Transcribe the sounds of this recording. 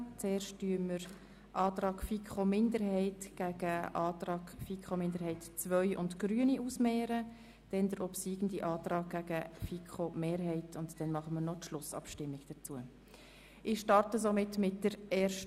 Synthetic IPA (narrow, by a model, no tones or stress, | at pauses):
t͡sɛːɾʃtːyːəməɾ | ʔɑːt̪ɾɑːkfikχomɪndəɾɦɛɪtɡ̥æɡ̥əʔɑːtrɑːɡfikʰχomɪndəɾɦɛɪtt͡svœʏʔʊndɡ̥ɾyəniʔusmɛːɾə | d̥ɛnd̥əɾʔɔpsiːɡ̥ən̩diʔɑːtrɑːɡ̚ɡ̥æɡ̥əfikʰχomeːɾɦɛɪtʰʊntd̥ɛnmɑχəmənɔtʃlʊsɑ̰pʃtɪmːɪɡ̥d̥ət͡suə | ʔɪχʃtɑrtəsomɪtmɪtd̥əɾɛːɾʃt